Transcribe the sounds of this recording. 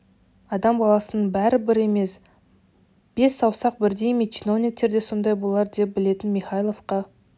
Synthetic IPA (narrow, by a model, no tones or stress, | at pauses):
ɑd̪ɑmbɑlˠɑsənəɴbæɾɪbɪɾe̞me̞s | b̥e̞sːɑwsɑq̚bɪɾd̪e̞jmet͡ʃino̞vnʲɪk̚t̪ːe̞ɾd̪e̞so̞nd̪ɑjbolˠɑɾd̪e̞p̚bɪle̞t̪ɪnmiχɑjlˠo̞fqɑ